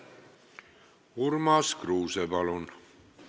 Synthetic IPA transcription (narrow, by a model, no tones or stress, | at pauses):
uɾmɑskɾuːsebɑlon